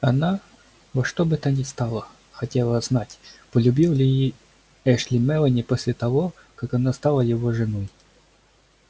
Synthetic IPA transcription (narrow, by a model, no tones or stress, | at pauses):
ɐna | voʂt̪obɨt̪anʲɪst̪alˠə | xɐtʲelˠəznatʲpəlʲʊbʲilˠlʲɪji | ɛʂlʲɪmɛlˠənʲɪposʲlʲɪt̪ɐvo | kakɐnast̪alˠəjɪvoʐɨnoj